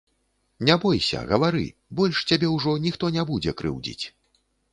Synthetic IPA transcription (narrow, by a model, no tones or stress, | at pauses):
nʲɛbɔjsʲɐ̰ɣɐvaɾɨ̰bɔlʲʂt͡sʲabʲɛwʐɔnʲixt̪ɔnʲɛbud͡zʲɛkɾɨ̰wd͡zʲḭt͡sʲ